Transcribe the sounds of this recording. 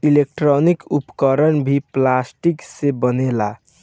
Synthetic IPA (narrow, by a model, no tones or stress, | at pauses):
ilek̚ʈɾɔnikupkəɾənbʱiplasʈiksebənela